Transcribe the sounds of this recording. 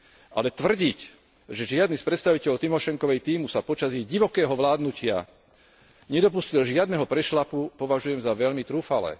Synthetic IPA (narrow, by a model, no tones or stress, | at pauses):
ʔa̰lɛt̪ʋr̩ɟic | ʒɛʒɪad̪nispɾɛt̪st̪aʋicɛʎɔt̪imɔʃɛŋkɔʋɛjt̪iːmusapɔt͡ʃazjɛjɟiʋɔkɛːɦɔʋlaːd̪nucɪa̰ | ɲɛd̪ɔpuscilʒɪad̪nɛɦɔpɾɛʃlapupɔʋaʒujɛmzaʋɛʎmit̪ɾuːfalɛ̰ː